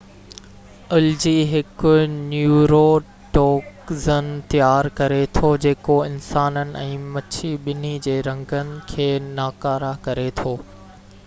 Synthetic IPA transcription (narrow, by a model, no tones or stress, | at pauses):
ʊld͡ʑiːɦɪkʊnjuːɾo | ʈoːkzənɪt̪ijaːɾkɐɾet̪ʰod͡ʑeːkoɪnsaːnənɪ̆ɛ̃ːmɐt͡ɕʰiɓɪnid͡ʑeːɾɐ̃ŋɡənɪ̆kʰeːnaːkaːɾakɐɾet̪ʰoː